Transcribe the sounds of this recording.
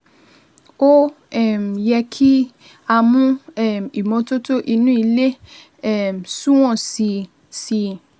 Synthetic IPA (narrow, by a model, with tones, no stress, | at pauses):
o˦ | ɛ˦˨m˨jɛ˧kʰi˦ | a˧mũ˦ɛ˦˨m˨i˨mɔ̃˨˧to˦to˦ʔi˧nũ˦i˧le˦ | ɛ˦˨m˨sũ˦w̃ɔ̃˦˨si˧ | si˧